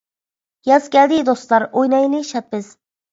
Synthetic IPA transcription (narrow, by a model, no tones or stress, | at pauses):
jɑzkʲɛld̪ɪd̪ost̪lˠɑɾojnɑjlɨʃɑt̪̚bɪz̥